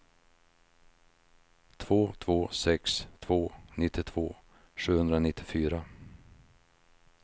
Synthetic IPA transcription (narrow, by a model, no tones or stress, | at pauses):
t̪ʰvoːt̪ʰvoːsɛkst̪ʰv̥oːnɪt̪ːɪt̪ʰv̥oː | ɧʉ̟ːhɵnd̪ɾanɪt̪ʰːɪfyːɾa